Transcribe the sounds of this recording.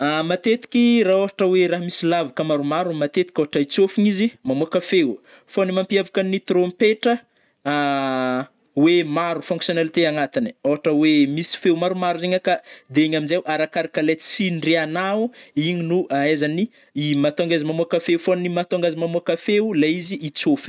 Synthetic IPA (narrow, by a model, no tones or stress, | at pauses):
amat̪et̪i̥kʲiraoɦaʈ͡ʂəweɾaɦmisilavakəmaɾumaɾumat̪et̪ikʲoɦaʈ͡ʂəit͡sofuɲizimamuakəfew | fonimampiavakanit̪ɾompeʈ͡ʂə | wemaɾufũŋksionelit̪eaŋat̪ini̥oɦaʈ͡ʂəwemisi̥fewmaɾumaɾuzeɲəkad̪eeɲaminzewʔaɾakaɾakalet͡sinreanauiɲinuaezani | imat̪oŋɡazimamoakafewfonimat̪oŋɡazimamuakəfewlaiziːt͡sofi̥